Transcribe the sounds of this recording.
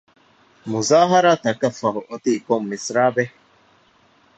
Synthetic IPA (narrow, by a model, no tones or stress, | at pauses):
muzaːɦɐɾaːt̪ɐkɐfɐɦuʔot̪ikomːisɾaːbe